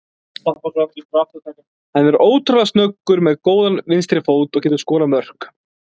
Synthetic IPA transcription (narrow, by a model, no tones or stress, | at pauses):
apɔat̪iɾaft̪at̪ak | hanːɛɾoːwt̪ɾalast̪nœkːʏɾmɛðkoːwðanvɪnst̪ɾɪfoːwt̪ɔɣcʰɛːt̪ʏ̥skɔːɾamœr̥k